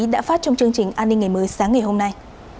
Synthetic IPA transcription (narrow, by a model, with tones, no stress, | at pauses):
ɗa̰ː˧˥faː˦˥t̚t͡ɕɔ˧wŋ͡mt͡ɕɨ˧əŋt͡ɕï˨˩ŋ̟ʔaː˧nːi˧ŋ̟ːa˨˩jməː˨˦jsaː˨˦ŋːa˨˩jɦo˧mna˧j